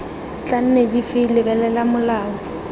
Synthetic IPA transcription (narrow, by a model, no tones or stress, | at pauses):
t͡ɬan̩nedifɪlɪbɛlɛlamʊlaːɔ